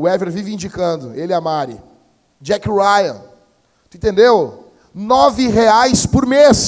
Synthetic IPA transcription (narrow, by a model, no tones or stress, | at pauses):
ɛveɾvivĩnd͡ʒikɐ̃nd̪ʊelɪamaɾɪ̰ | d͡ʒɛkɾajɐ̃n | ĩt̪ẽnd̪ew | nɔvɪɦeajspʊɾmes